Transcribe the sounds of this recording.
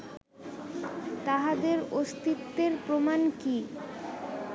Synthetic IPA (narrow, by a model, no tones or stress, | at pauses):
t̪aɦad̪eɾost̪it̪ːeɾpɾomanki